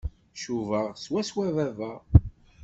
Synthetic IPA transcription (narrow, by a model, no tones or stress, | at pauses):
ʃuvəʁswæswævævæ